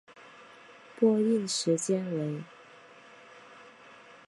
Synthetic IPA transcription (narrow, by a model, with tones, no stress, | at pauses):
pwɔ˥˧i˥˩nʂɻ̩˧˥t͡ɕjɛ˥nwe˧˥ɪ